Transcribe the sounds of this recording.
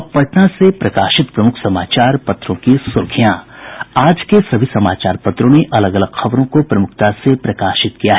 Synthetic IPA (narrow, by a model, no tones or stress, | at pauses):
pɐʈnasepɾɐkaːʃɪt̪pɾɐmʊkʰsɐmaːt͡ʃaːɾpɐt̪ɾõkisʊɾkʰijãaːd͡ʒkesɐbʱisɐma̰ːt͡ʃaːɾpɐt̪ɾõneʔɐləɡɐləɡxɐʋɾõkopɾɐmʊkʰt̪asepɾɐkaːʃɪt̪kijaɦɛ